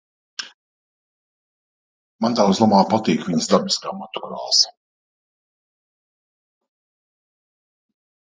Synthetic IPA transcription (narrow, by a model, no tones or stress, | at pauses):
mant̪azlˠamaːpat̪iːkviɲsd̪abiskaːmat̪u̥ɾa̰ːlˠs